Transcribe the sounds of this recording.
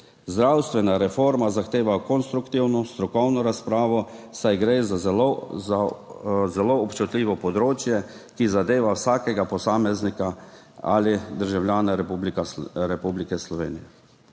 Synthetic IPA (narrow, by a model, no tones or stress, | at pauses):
zd̪ɾawst̪ʋɛnaɾɛfoɾmazaxt̪eːʋakɔnst̪ɾukt̪iwnɔst̪ɾɔkɔwnɔɾaspɾaːʋɔsajɡɾeza | a | zɛloːpt͡ʃut̪lʲiːʋɔpɔd̪ɾoːt͡ʃjɛ | kizad̪eːʋawsaːkɛɡapɔsaːmɛznika | a̰lid̪əɾʒawljaːnaɾpublikaɾɛpublikɛslɔʋḛːnijɛ